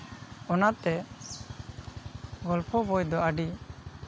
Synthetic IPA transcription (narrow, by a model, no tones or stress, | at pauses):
ɔnat̪ɛ | ɡɔlpʰɔbɔjd̪ɔaɖi